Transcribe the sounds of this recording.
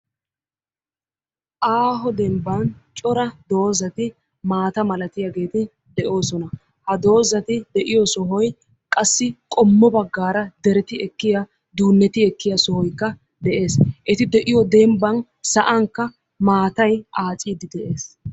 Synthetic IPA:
ʔaːɦɔd̪ɛmbɐnt͡ʃʼɔɾɐd̪o̞ːzɐt̪ɪ | maːt̪ɐmɐlɐt̪ɪjaɡe̞ːt̪ɪ | d̪ɛʔo̞ːsɔnɐ | hɐd̪o̞ːzɐt̪ɪd̪ɛʔɪjɔsɔɦɔj | kʼɐsːɪkʼɔmːɔbɐɡːaːɾɐd̪ɛɾɛt̪ɪɛkːɪjɐ | d̪uːnːɛt̪ɪɛkːɪjɐsɔhɔjkːɐ | d̪ɛʔe̞ːsʔɛt̪ɪd̪ɛʔɪjɔd̪ɛmbɐn | sɐʔɐŋkːɐ | maːt̪ɐjʔaːt͡sʼiːd̪ɪd̪ɛʔe̞ːs

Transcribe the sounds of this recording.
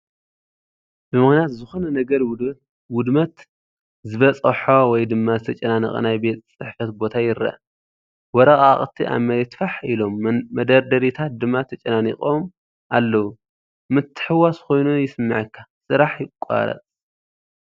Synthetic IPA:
bɨmɨxnijat̪zɨxo̞nɐnɐɡɐɾ | wʊd̪mɐt̪ | zɨβɐt͡sʼɐħowɔjd̪ɨmːazɨt̪ʰɐt͡ʃʼɐnanḭχʼɐ̰najbe̞t͡s̪ʼt͡sʼɨħfɐt̪̚bo̞t̪ʰajɪɾɐ̰ʔ | wɔɾɐχʼaχʼt̪ʰiʔa̰mɐɾet̪faħilo̞mːɐd̪ɐɾd̪ɐɾit̪ʰat̪̚d̪ɨmːat̪ʰɐt͡ʃʼɐnanḭqʼom | ʔalːɐwu | mɨt̪ʰːɨ̥ħɨwasko̞jnujɪsɨmːɨʕɨkʰːasɨɾaħjɪkʷʼa̰ɾɐ̰t͡sʼ

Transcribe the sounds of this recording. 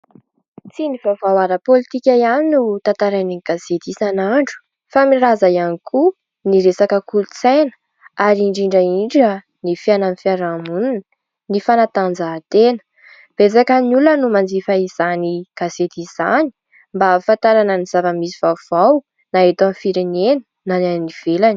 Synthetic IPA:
t͡sinivavawaɾəpolit̪ikʲajaninut̪ant̪aɾaniniɡ̥aset̪isanaɳɖ͡ʐu̥ | famiɾazajanikʰu | niɾesakəkulut͡sajnə̥ | aɾiiɳɖ͡ʐiɳɖ͡ʐaiɳɖ͡ʐə | nifiananifiaɾamununə | nifanat̪and͡zaːt̪enə̥ | b̥ezakənulənumand͡zifaiz̥aniɡ̥aset̪iz̥a̰ni̥ | mbafãnt̪aɾanəniz̥avəmisiv̥av̥aw | naet̪amfiɾenenə̥ | nananiv̥elani

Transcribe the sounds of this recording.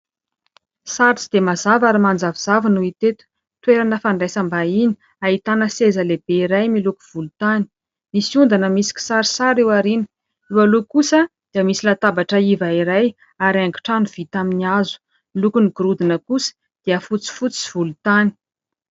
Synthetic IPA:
saɾt͡sid̪emazavaɾimand͡zaviz̥avinuit̪et̪u̥ | t̪weɾanəfaɳɖ͡ʐasambaini̥ | ait̪anəsezəleb̥eiɾajmiluku̥v̥ulut̪ani̥ | misund̪anəmisi̥kʲi̥saɾisaɾewaɾini̥ | iwalukusəd̪̥iəmisilat̪abaʈ͡ʂəivaiɾaj | aɾaŋɡi̥ʈ͡ʂanuv̥it̪aminiazu̥ | milukuniɡuɾud̪inəkusə̥ | d̪̥iəfut͡si̥vut͡si̥v̥ulut̪ani̥

